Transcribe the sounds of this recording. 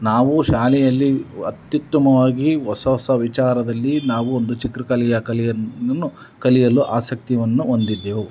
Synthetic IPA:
naːʋuʃaːlɛjɐlːiɐ̰t̪jut̪ːɐmɐʋaːɡiɦɔsɐɔsɐʋit͡ʃaːɾɐd̪ɐlːinaːʋuond̪ut͡ʃik̪ɾɐkɐlijɐkɐlijɐɐnːu | kɐlijɐluʔaːsɐk̚t̪iʋɐnːuond̪id̪ːeːʋu

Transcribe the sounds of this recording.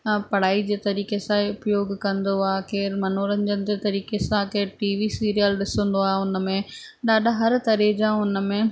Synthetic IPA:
pɐɽ̤aːid͡ʑeːt̪ɐɾiːkesãeʊpjoːɡkɐ̃nd̪oaːɦekeːɾmɐnoːɾənɪ̆d͡ʑənɪ̆d͡ʑeːt̪ɐɾiːkesãkeːɾʈiːʋisiːɾijəlɗɪsə̃nd̪oaːɦeʊnə̆mẽ | ɗaːɗɦɐɾt̪ɐɾed͡ʑãːʊnəmẽ

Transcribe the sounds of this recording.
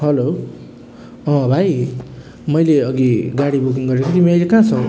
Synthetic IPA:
ɦʌlo | ʌ̃bʱaj | mʌjleʌɡiɡaɽibukiŋɡʌɾekʰot̪imiʌjlekãt͡sʰʌ

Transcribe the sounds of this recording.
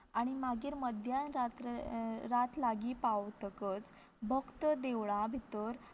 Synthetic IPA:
aɽ̃imaɡiːɾməd̪ʱjanɾat̪ɾat̪laɡiːpat̪əkət͡s | bʱəkt̪əd̪eʋɭabʱit̪əɾ

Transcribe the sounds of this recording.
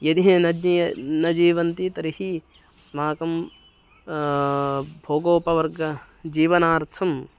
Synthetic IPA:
jɐd̪iɦɐnɐd̪ninɐd͡ʒiːʋɐnt̪it̪ɐɾihi | ɐsmaːkɐm | bʱoːɡoːpɐʋɐɾɡɐ | d͡ʒiːʋɐnaːɾt̪ʰɐm

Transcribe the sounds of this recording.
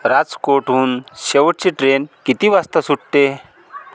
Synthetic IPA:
ɾad͡zkoʈuːnɕeʋʈ̚t͡ɕiʈɾenkit̪iʋast̪əsuʈʈe

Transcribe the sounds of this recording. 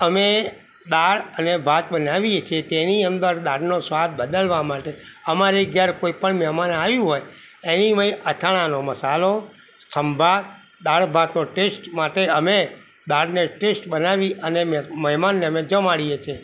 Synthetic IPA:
əme | d̪aɭənebʱat̪ɓənaʋiet͡ʃʰet̪eniənd̪əɾd̪aɽnosʋad̪bəd̪əlʋamaʈeəmaɾeɡjaɾkoipəɳmɛmanaʋjũɦoj | enimə̃iʔət̪ʰaɽ̃anoməsalo | səmbʱa | d̪aɭbʱat̪noʈesʈmaʈeəme | d̪aɽneʈesʈbənaʋiʔənemməɦɛmanːemed͡ʒəmaɽijet͡ʃʰe

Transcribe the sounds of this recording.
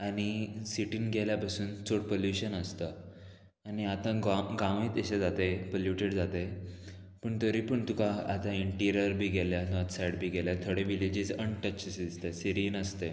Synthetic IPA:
aɽ̃isiʈiːnɡɛljapasuːnt͡soɽpoljuɕənəst̪ə | aniat̪ãɡaɡãʋĩːt̪eɕed͡zat̪ejpoljuʈeɽd͡zat̪ej | pəːɳt̪əɾipəɳt̪ukaat̪ãiɳʈiɾijəɾbʱiːɡʱɛljanɔt̪sajɽbʱiːɡʱɛljat̪ʰoɽeʋilid͡ʑid͡zəɳʈət͡ɕːsd̪ist̪esiɾiːnəst̪e

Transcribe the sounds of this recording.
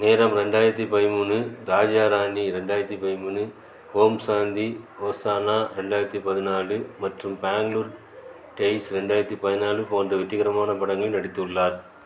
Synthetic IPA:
neːɾɐmɾɛɳɖaːjɪɾɐt̪ːipɐðɪmuːnɯɾaːd͡ʒaːɾaːɳɖiɾɛɳɖaːjɪɾɐt̪ːipɐðɪmuːnɯ | hoːmsaːnd̪ioːsaːnaːɾɛɳɖaːjɪɾɐt̪ːipɐðɪnaːɭɯmɐʈrɯmbaːŋɡluːɾ | ʈɐɪsɾɛɳɖaːjɪɾɐt̪ːipɐðɪnaːɭɯpoːndrɐʋɪʈːɪɣɐɾɐmaːnɐpɐɽɐŋɡɐɭnɐɽɪt̪ːɯɯɭːaːɾ

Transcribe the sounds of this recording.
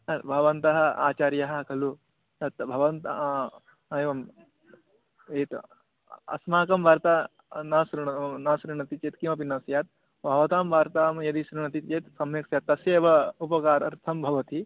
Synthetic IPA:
ɐt̪bʱɐʋɐnt̪ɐɦɐ̆a̰ːt͡ʃaːɾjɐɦɐ̆kʰɐlu | t̪ɐt̪bʱɐʋɐnt̪ː | eʋɐm | eːt̪ | ɐ̰smaːkɐmbʱaːɾt̪aː | naːsɾiɳɐnaːsɾiɳɐt̪it͡ʃeːt̪kimɐp̬inːɐsjaːt̪̚ | bʱɐʋɐt̪aːmbʱaːɾt̪aːmjɐd̪iʃɾiɳɐt̪it͡ʃeːt̪sɐmjeksjaːt̪ːɐsjeːʋɐupɐkaːɾɐ̰ɾt̪ʰɐmbʱɐʋɐt̪i

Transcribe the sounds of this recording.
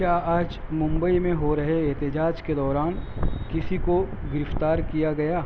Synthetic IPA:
kjaːaːd͡ʒmʊ̃mbəimẽɦoɾɐɦeeːt̪ɪd͡ʒaːd͡ʒked̪ɔːɾaːnkɪsikoɡɪɾɪft̪aːɾkijaɡɐjaː

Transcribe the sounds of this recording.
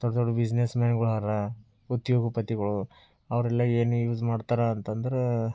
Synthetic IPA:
d̪̥ɔɽɐd̪ɔɽubid͡ʒnesmaːnɡɐɭɦɐɾɐ | ut̪joːɡɐpɐt̪iɡɐɭu | ɐʋɐɾɛlːɐeːnujuːd͡ʒmaːɖt̪aɾɐːnt̪ɐnd̪ɐɾe

